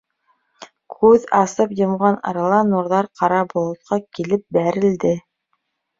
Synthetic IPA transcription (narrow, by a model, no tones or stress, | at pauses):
kʰʉðɑsɤpjɤ̆mʁɑnɑ̰ɾɑlˠɑnuɾðɑɾqɑɾɑbolˠŏt̪̚qʰɑkilɘp̚bæɾɘ̆ld̪ɘ